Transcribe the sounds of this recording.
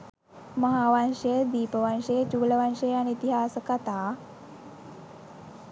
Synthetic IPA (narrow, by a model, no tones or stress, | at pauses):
maɦaːʋanʂəjəd̪iːpəʋanʂejət͡ʃuːləʋanʂəjanit̪iɦaːsəkat̪aː